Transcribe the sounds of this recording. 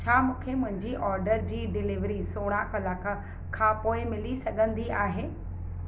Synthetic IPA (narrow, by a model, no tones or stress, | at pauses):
t͡ɕʰaːmũːkʰemʊ̃ɦɪ̃ɲd͡ʑiʔɔːɾɖəɾd͡ʑiːɖɪlɪʋɾisoːɽ̃ãkɐlaːka | kʰãːpoːɪmɪlisɐɠʱə̃nd̪iaːɦeː